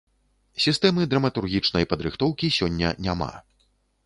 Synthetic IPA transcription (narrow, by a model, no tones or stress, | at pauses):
sʲist̪ɛmɨd̪ɾɐmɐt̪urɣʲit͡ʂn̪ɐjpɐd̪ɾɨxt̪ɔwkʲisʲɔnʲːɐ̰nʲama̰